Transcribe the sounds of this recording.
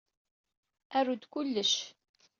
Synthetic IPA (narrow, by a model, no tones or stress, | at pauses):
ærʊd̪kʷʊlːəʃ